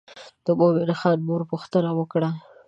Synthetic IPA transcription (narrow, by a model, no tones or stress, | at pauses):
d̪̥əbobenxɑnmuɾpuxt̪ənawəkɽa